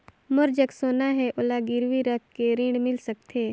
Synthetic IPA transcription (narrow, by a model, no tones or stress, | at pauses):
mʊɾd͡ʒəksoːnaɦɛʔʊlaɡɪɾwiɾɐkʰkeɾɪ̃ɳɖmɪlsɐk̚t̪ʰeː